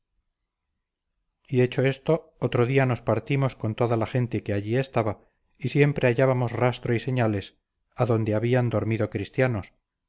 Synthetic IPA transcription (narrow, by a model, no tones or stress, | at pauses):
ie̞t͡ʃo̞e̞st̪o̞ot̪ɾoðiano̞spaɾt̪imo̞sko̞nt̪o̞ðalaχe̞nt̪e̞ke̞aʝie̞st̪aβa | isje̞mpɾe̞aʝaβamo̞srast̪ɾoise̞ɲale̞s | aðo̞nd̪eaβiand̪o̞ɾmiðo̞kɾist̪janos